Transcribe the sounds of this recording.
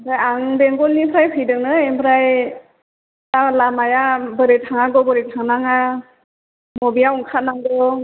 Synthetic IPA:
pʰɾajaŋbeŋɡɔlnipʰɾajpʰɯjdɯknɯempʰɾaj | talamajabɯɾetʰaŋaɡɔbɯɾetʰaŋnaŋa | mɔbijauŋkʰat̚naŋɡɔ

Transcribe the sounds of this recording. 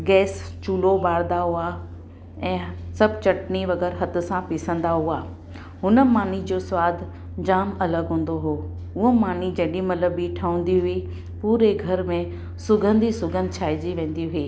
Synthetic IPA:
ɡɛːst͡ɕuːlobaːɽd̪aɦuaː | ɛ̃ːsɐbt͡ɕɐʈniʋɐɡɛːɾɦɐt̪ʊ̆sãpɪsə̃nd̪aɦuaː | ɦʊnə̆maːn̤id͡ʑoswaːd̪ʱ | d͡ʑaːmɐləɡɦũːn̆d̪oɦoː | ʊɦomaːn̤id͡ʑɐɗimɐləbiʈʰɐʊ̃nd̪iɦʊi | puːɾeɡʱɐɾmẽ | sʊɡʱə̃nd̪ʱisʊɡə̃nd̪t͡ɕʰaːɪd͡ʑiʋẽːn̆d̪iɦʊiː

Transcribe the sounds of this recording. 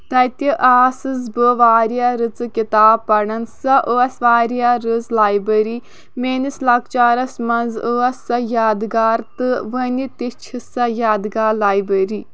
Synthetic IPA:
t̪ɐjt̪iʔaːsɨzbɨʋaːɾijaɾɨt͡sɨkit̪aːbpːɐɳɐnsɐʔuɐsʋaːɾijaɾɨzlaːjbəɾi | meːnislɐkt͡ʃaːɾɐsmɐnzuɐsɐjaːd̪ɡaːɾt̪ɨʋənit̪it͡ʃʰisɐjaːd̪ɡaːlaːjbəɾi

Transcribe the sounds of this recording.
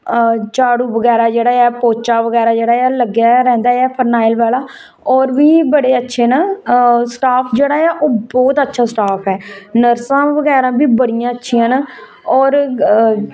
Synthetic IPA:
t͡ʃaːɽuːʋəɡɛːɾaːd͡ʒeːɽaːɛːpoːt͡ʃaːʋəɡɛːɾaːd͡ʒeːɽaːɛːləɡjaːɾɛ̃ːnd̪aːɛːpʰəɾnaːɪlʋaːlaː | ɔːɾʋiːbəɽeːətːʃʰeːnãːsʈaːpʰd͡ʒeːɽaːɛːʔoːbɔːt̪ətːʃʰaːsʈaːpʰɛːnəɾsãːʋəɡɛːɾãːbiːbəɽɪjãːətːʃʰiːãːna | ɔːɾ

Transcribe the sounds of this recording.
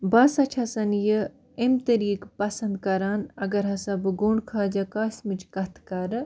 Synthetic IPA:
bɐsɐt͡ʃʰɐsɐnjə | emt̪ɐɾiːkpɐsɐnd̪kɐɾaːnɐɡɐɾɦɐsɐbɨɡuɳkʰaːd͡ʒɐkaːsʲmɨt͡ʃkɐt̪ʰkɐɾɨ

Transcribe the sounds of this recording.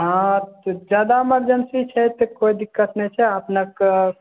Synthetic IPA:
ɦãt̪d͡ʒaːd̪aməɾd͡ʒənsit͡ʃʰɛt̪ekoid̪ikːət̪nɛt͡ʃʰɛəpnək

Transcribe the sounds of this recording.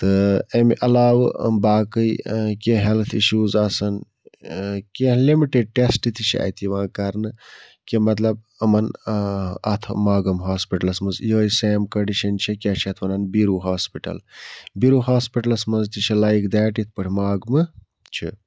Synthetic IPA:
t̪ɨemʔɐlaːʋ̰baːkɨjkʲeɦelt̪ʰiʃuːzaːsɐn | kelimiʈeɖ̚ʈesʈit̪ʰit͡ʃʰia̰t̪ʰiʋãːkɐɾnɨ | kʲimɐt̪lɐb̚ | ɐmɐn | ɐ̰t̪ʰmaːɡɐmɦaːspiʈɐlɐsmɐzjoːiseːmkɐɳɖiʃɐnt͡ʃʰikʲet͡ʃʰɐt̪ʰʋɐnɐnbiɾuːɦaːspiʈɐ̰lbiɾuɦaːspiʈɐlɐsmɐzt̪it͡ʃʰilaːjkd̪ɛːʈit̪̚ʰpɐʈʰʲimaːɡmɨ | t͡ʃʰḭ

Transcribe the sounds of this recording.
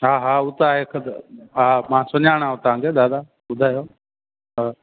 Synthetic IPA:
ɦaːɦaːʊt̪aːɦeːkʰəd̪ɦaːmãːsʊnaːɳ̃aːʊt̪ãːɡed̪aːd̪a | ʊd̪ʱaːjoː | ɦə

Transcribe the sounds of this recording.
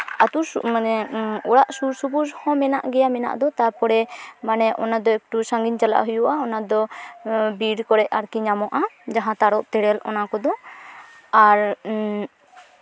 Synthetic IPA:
at̪uanɛɔɽaʔsuɾsubud͡ʒhɔ̃mɛna̰ʔɡɛjamɛna̰ʔd̪ɔt̪apɔɽɛmanɛʔɔnad̪ɔɛk̚ʈusãŋɡiɲt͡ʃala̰ʔɦujuʔaɔnad̪ɔ | biɾkɔɽɛʔaɾkiɲamɔʔad͡ʒaɦãt̪aɾɔʔt̪ɛɽɛlɔ̰nakɔd̪ɔ | aɾ

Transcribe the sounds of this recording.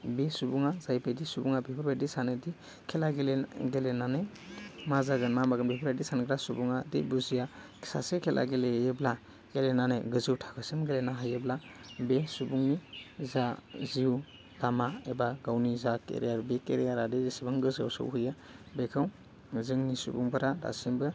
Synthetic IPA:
besubuŋazajpedisubuŋabebʰɯɾbadisanɯdi | kʰelaɡeleɡelenane | mazaɡɯnmamaɡɯnbebʰɾbajdisanɡɾasubuŋadḭbuzijakʰi̥sa̰sekʰelʔa̰ɡelejebla | ɡ̥elenaneɡɯzɯwtʰḁkʰɯsimɡelenaɦajeblabesubuŋnizaziw | lamaebaɡawnizakḛɾijaɾbekeɾijaɾadedisibaŋɡɯzɯwsɯ̰wɦuja | bekʰɯw | zɯŋnisubuŋbɯɾada̰simbɯ

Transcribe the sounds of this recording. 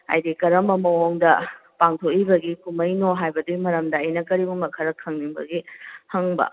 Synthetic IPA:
a̰jdikɐɾɐmɐmɐwoŋdɐpaŋtʰokibɐɡikʰumɐjnoɦajbɐdimɐɾɐmdɐːjnɐkɐɾibuŋɐkʰɐɾɐkʰːɐŋniŋbɐ̰ɡihɐŋbɐ̰

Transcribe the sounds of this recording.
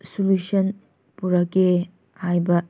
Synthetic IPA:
sulusɐn | puɾɐke | hajbɐ

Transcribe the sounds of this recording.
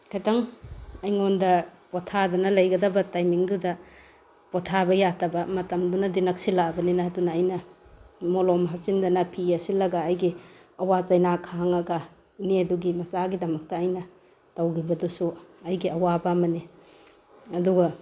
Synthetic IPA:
kʰataŋɐjŋondɐpotʰadɐnɐlɐjɡɐdɐbɐtajmiŋdudɐ | potʰabɐjatʰɐbɐmɐtɐmdunɐdinɐk̚silabɐninɐɦɐdunɐːjnɐ | molomɐɦɐp̚sindɐnɐpʰiɐsilɐɡɐːjɡiɐwat͡ʃɐjnakʰaaŋɐɡɐ | neɐduɡimɐzaɡidɐmɐk̚tɐːjnɐ | tɐwɡibɐdusuɐjɡiɐwabɐmɐni | ɐduɡɐ

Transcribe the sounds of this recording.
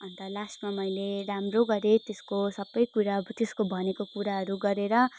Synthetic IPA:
ʌnt̪ʌlasmamʌjleɾamroɡʌɾet̪eskosʌbːʌjkuɾat̪eskobʱʌnekokuɾaɦʌɾuɡʌɾeɾʌ

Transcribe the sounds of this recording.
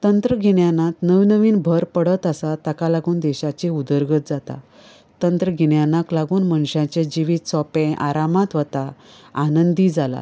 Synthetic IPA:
t̪ənt̪ɾəɡʱiɳjanat̪nəʋnəʋiːnbʱəɾpəɽət̪əsat̪akalaɡuːnd̪ɛɕat͡ɕiud̪əɾɡət̪̚d͡zat̪a̰ | t̪ənt̪ɾəɡʱiɳjanaklaɡuːnmənɕãt͡ɕed͡ʑiʋiːt̪sɔpẽʔaɾamat̪ʋət̪a | anənd̪iːd͡zala̰

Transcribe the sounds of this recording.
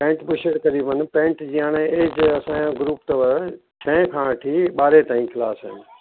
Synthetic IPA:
pẽːɳʈbʊʃeɽkɐɾibən̆pẽːɳʈd͡ʑijãːñeeːd͡ʑɐsããɡɾuːpt̪əʋə | t͡ʃʰɐ̃kʰãʈʰiːɓaːɾet̪ãːĩkʰɪlaːsənɪ̆

